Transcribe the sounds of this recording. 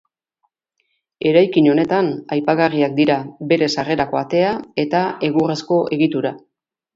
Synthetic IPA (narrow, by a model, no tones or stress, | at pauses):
e̞ɾajkiɲo̞ne̞t̪anajpaɣariak̚d̪iɾabe̞ɾe̞sare̞ɾako̞at̪e̞ae̞t̪ae̞ɣure̞sko̞ʔe̞ɣit̪uɾa